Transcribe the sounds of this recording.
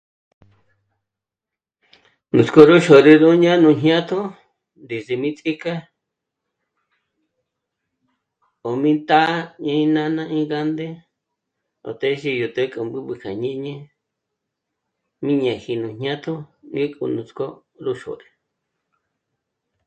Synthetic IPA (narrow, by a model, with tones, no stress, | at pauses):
nũ˨t͡sko˧ɾu˦ʃo˨ɾi˧ðũ˦ɲã˦nũ˧˨ɲjã˦t̪ʰo˦ | nd̪i˨si˧mĩ˦t͡sʼi˦ka˦ | o˨mĩ˦nt̪a˦ɲã˧ĩ˦nã˦nã˦ʔĩ˦ɡa˦nd̪e˦ | o̰˨t̪e˦ʃi˧ju˨t̪e˧˦kʼu˨mbɨ˦βɨ˧kʰa˨ɲĩ˦ɲẽ˦ | mĩ˦ɲã˨hi˧nũ˨ɲɲã˦t̪ʰo˦ŋĩ˦kʼṵ˧nũ˨t͡sko˦ | ɾu˦ʃo̰˨ɾi˧